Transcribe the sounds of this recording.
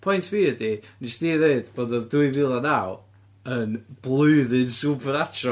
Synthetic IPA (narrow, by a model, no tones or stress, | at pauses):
pʰɔjntʰviːədinisd̥iːðeɨd̥b̥oːdɔðduɨvɪlˠanaw | ənb̥lˠʊɨðɨnsubʰəɾatʰrɔ